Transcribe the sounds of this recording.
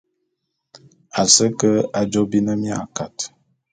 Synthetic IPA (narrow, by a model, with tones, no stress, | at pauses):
a˨sə˦kə˦a˨d͡ʒo˦bi˦nə˦mi˦a̰˦˨ka˨t